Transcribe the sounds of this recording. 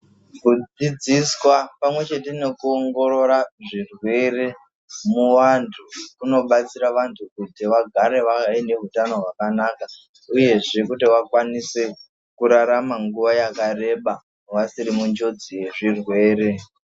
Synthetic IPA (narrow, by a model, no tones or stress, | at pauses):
kud͡zid͡ziswapamwe̞t͡ʃe̞tene̞kuoŋɡo̞ɾo̞ɾaʐirwe̞re̞ | muwantʰukuno̞ɓat͡siɾaʋantʰukutiʋaɡʱaɾe̞ʋaaine̞ɦutano̞ɦwakanaka | uje̞ʐe̞kutiwakwanise̞ | kuɾaɾamaŋɡuʋajakare̞ɓa | ʋasiɾimund͡ʒo̞d͡zije̞ʐirwe̞ːɾe̞